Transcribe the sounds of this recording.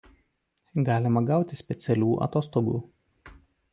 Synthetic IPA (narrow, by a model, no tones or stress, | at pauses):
ɡɑːlʲɪmɐɡɑˑʊt̪ʲɪsʲpʲɛt̪sʲɛlʲuːʔɐ̰t̪oːst̪oɡṵː